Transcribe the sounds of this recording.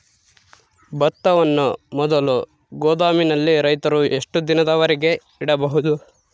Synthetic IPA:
bɐt̪ːɐʋɐnːumɔd̪ɐlu | ɡɔːd̪aːminɐlːiɾɐjt̪ɐɾuʔeʂʈud̪inɐd̪ɐʋɐɾiɡe̞ | iɽɐbɐɦud̪u

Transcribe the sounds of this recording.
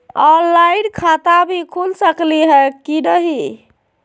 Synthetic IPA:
ɔlaɪɖkʰat̪abʱikʰulsəkliɦɛkiɾəɦi

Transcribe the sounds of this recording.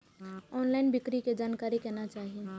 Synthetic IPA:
ɔːnlaːɪnbɪkɾiked͡ʒaːnkaːɾikɛːnat͡ʃaːɦie

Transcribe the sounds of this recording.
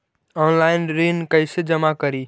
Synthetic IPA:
ɔnlaɪnɾinkəɪsed͡ʒəmakəɾi

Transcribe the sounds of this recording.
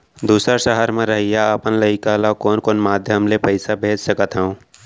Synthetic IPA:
d̪uːsɾaʃəɦəɾmẽɾɐɦijaəpənlɐɪkaːlakoːnkoːnmaːd̪ʱjəmlepəɪsabʱeːd͡ʒsɐkət̪ɦɛũ

